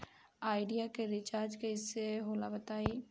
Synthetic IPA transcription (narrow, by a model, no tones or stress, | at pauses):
aːɪɖijakeɾɪt͡ʃaːɾd͡ʒkeɪsːeɦoːlabət̪aːi